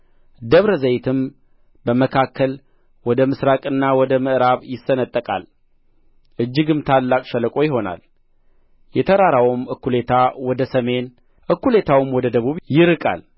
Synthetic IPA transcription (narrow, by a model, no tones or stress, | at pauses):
d̪əβɾəzəjt̪ʰɨm | bəməkʰakʰːəl | wɔd̪əmɨsɾakʼɨnːawɔd̪əmɨʔɾaβjɪsːənət̪ʼːəkʼa̰l | ʔɨd͡ʒːɪɡɨmt̪ʰalːakʼʃɛləkʼo̞jɪɦo̞na̰l | jɛt̪ʰəɾaɾawɨmɨkːule̞t̪ʰawɔd̪əsəme̞n | ʔɨkːule̞t̪ʰawɨmwɔd̪əd̪əβuβjɪɾɨkʼa̰l